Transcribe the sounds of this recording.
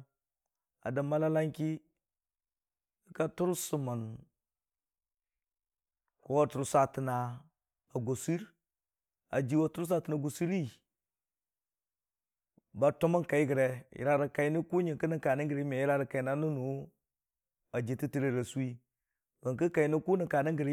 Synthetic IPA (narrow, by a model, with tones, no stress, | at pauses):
a̰˨da˨ma˦la˦la˦ŋki˦ | i˦ka˦tu˦ɾsu˨ma˨n | ko˨˦wa˦tu˨ɾu˦sa˦ti˨na˨ | a˨ɡo˨si˦ɾ | a̰˨d͡ʒi˨wa˦tu˦ɾu˦s̬a˦ti˨na˨ɡo˨si˦ɾi˦ | ba˨tu˦ma˦nka˨i˦ɡə˨ɾe˨jḭ˨ɾa˦ɾi˨ka˨i˦ni˦ku˦ɲi˨ŋkə˦ni˦ka˨ni˦ɡə˨ɾe˨˦me˨ji˦ɾa˦ɾə˨ka˨i˨na˦nu˦nu˨ | a˨d͡ʒi˨ti˦ti˦ɾe˦˨ɾe˨su˦i˦ | ɡa˨ŋkə˦ka˨i˦ni˦ku˦ni˨ka˨ni˦ŋɡə˨ɾi˦